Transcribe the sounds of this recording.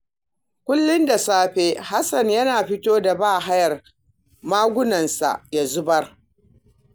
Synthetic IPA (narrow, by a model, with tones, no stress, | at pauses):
kʷʊ˦lːɪ˦nda˨saː˦ɸeː˦ha˦sɐ˨ɲjɐ˦naː˨ɸɪ˦toː˦da˨baː˦˨ɦa˦jɐ˨r | maː˦ɡʷʊ˦nɐ˨nsa̰˨ʔja˨zʊ˦bɐ˦r